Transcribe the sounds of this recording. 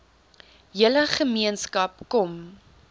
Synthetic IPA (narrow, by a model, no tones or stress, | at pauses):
jələχəmiənskɐp̚kɔm